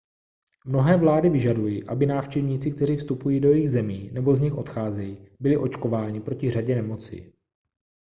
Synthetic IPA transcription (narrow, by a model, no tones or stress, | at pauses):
mno̞ɦɛːvlaːdɪvɪʒadujiʔabɪnaːfʃt͡ʃɛvɲiːt͡sɪk̚t̪ɛɾ̝iːfst̪upujiːdo̞jɛjiɣzɛmiːnɛbo̞zɲɪxʔo̞̰t̪xaːzɛjibɪlɪʔo̞t͡ʃko̞vaːɲɪpɾo̞cɪraɟɛnɛmo̞t͡sḭ